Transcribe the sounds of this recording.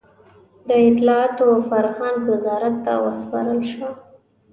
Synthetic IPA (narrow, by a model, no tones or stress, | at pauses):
d̪əɪt̪lɑɑt̪ofaɾxand̪wɪzɑɾat̪ːa̰wə̰spɑ̰ɾəlʃwə